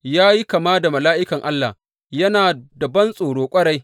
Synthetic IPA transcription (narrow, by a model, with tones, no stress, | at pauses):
jaː˦ji˦kɐ˨maː˦da˨mɐ˨laː˦ʔɪ˦kɐ˨ŋʔa˦lːa̰˨ | jɐ˦naː˨dɐ˨bɐ˦nsʼoː˨ɽoː˦kʷʼɐ˦ɽa˦j